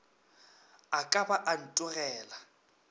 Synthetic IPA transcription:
akʼabaʔan̩tʼʊrɛːla

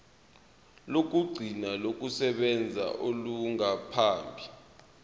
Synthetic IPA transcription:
lok̬uɡ͡ǀʱinalok̬ʼusɛɓɛnd͡zʱa̰ʔoluŋapʰaːmbʱi

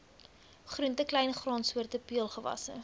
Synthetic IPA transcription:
χruntəklɛjnχrɑːnsuərtəpiəlˠχəvɐ̰sə̰

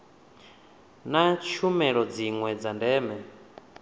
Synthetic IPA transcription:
nat͡ʃʰumɛɺɔd͡ziŋwɛd͡zandɛːmɛ

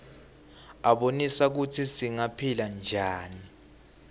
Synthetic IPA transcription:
aɓonisak̬utʰisiŋapʰiland͡ʒʱaːni

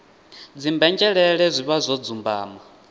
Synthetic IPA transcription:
d͡zimbɛnd͡ʒʼɛɺɛɺɛzʷiβazʷɔd͡zumbaːma

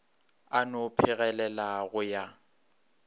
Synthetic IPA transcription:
anʊpʰɪɣɛlɛlaɣʊja

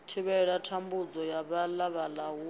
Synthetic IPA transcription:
tʰiβɛɺatʰambud͡zɔjaβalaβalaɦu

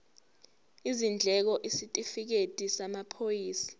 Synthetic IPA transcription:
izind͡ɮʱɛk̬ɔʔisitʼifik̬etʼisamapʰojiːsḁ

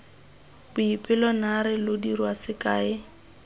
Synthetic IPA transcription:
bʊipʼɪlɔnaɾɪlʊdirwasɪkʼaːɪ

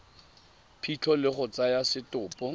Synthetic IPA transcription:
pʰit͡ɬʰɔlɪχʊt͡sajasɪtʊːpʼɔ

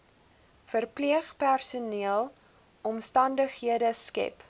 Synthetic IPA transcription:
fərpliəχpærsuniəlˠ | ʔɔmstɐndəχɦiədəskɛ̰p

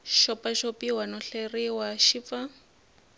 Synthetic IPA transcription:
ʃɔpaʃopiwanɔɬeriwaʃifa

